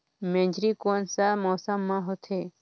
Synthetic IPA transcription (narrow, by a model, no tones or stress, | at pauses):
mẽɲd͡ʒɾikoːnsamɔːsəmːãɦot̪ʰe